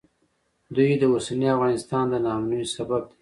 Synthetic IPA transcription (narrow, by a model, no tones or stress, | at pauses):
d̪ujd̪əosaniafɣɑnɪst̪ɑnd̪ənɑmnujsabab̚d̪e̥